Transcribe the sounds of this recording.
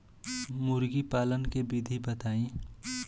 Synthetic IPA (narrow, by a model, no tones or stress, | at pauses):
mʊɾɡipaːlənkebid̪ʱibət̪aːĩ